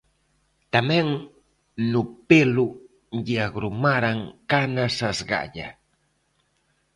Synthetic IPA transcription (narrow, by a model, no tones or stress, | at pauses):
t̪ameŋ | nʊpɪlʊ | jaɡɾʊmaɾaŋkanasasɢɑ̰ʎa̰